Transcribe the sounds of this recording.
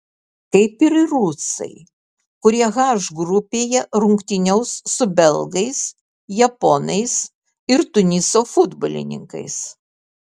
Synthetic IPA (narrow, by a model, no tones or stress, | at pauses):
kɐɪpɪɾɾusɐ̰ɪ | kʊɾʲiɛɣɑʒɡɾʊpʲeːjɛɾʊŋkt̪ʲɪnʲɛʊsːʊbʲɛlˠɡɐɪs | jɛpoːnɐɪs | ɪɾt̪ʊnʲɪsoːfʊd̪bo̰lʲɪ̰nʲɪ̰ŋkɐ̰ɪs